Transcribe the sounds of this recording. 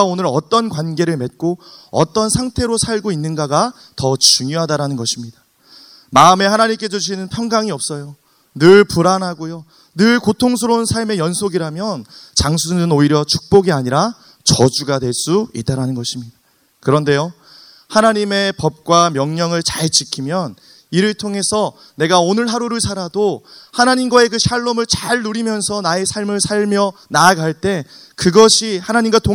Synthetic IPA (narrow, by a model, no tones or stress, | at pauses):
onɯɾʌt͈ʌnkwanɡe̞ɾɯɭme̞t̚k͈oʌ̰t͈ʌnsʰaŋtʰe̞ɾosʰaɭɡoinːɯnɡaɡa | tʌt͡ɕuŋjoɦadaɾanɯnɡʌɕʰimɲida | maɯme̞hanaɲimk͈e̞d͡ʑuɕʰinɯnpʰjʌŋɡaŋiʌp̚s͈ʌjo | nɯɭpuɾanɦaɡojo | nɯɭkotʰoŋsʰɯɾonsʰaɭme̞jʌnsʰoɡiɾamjʌnt͡ɕaŋs̬ʰunɯnoiɾjʌt͡ɕʰu̥k̚p͈ʌɡiaɲiɾa | t͡ɕʌd͡ʑuɡadwe̞ɭs͈uḭt͈̚aɾanɯnɡʌɕʰimɲida | kɯɾʌnde̞jo | hanaɲime̞pʌp̚k͈wamjʌŋɲʌŋɯɭt͡ɕaɭt͡ɕikʰimjʌn | iɾɯɭtʰoŋe̞sʰʌ | ne̞ɡaonɯɭɦaɾoɾɯɭsʰaɾadohanaɲimɡwae̞kɯɕʰaɭːomɯɭt͡ɕaɭːuɾimjʌnsʰʌnae̞sʰaɭmɯɭsʰaɭmjʌnaːɡaɭt͈e̞ | kɯɡʌɕʰihanaɲimɡwato